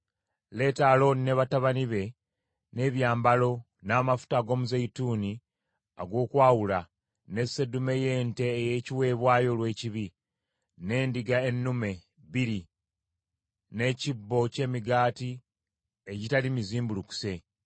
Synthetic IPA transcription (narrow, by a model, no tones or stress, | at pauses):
le̞ːtalo̞nineβataβaniβe̞ | ne̞βjaːmbalo̞ | naːmafu̥taːɡo̞muzeituːni | a̰ɡo̞ːkwaːwula | ne̞sedume̞je̞ːnte̞ːjeːciwe̞ːβwaːjo̞lwe̞ːciβi | ne̞ːndiɡaenːume̞ | βiɾi | ne̞cibːo̞ce̞ːmiɡaːti | eɟitalimiziːmbuluku̥se̞